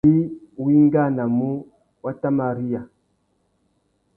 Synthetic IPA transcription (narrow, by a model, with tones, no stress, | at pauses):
i˦wi˦ŋ˦ɡa˦˨na˨mu˦ | wa˦ta˦ma˨ɾi˦ja˨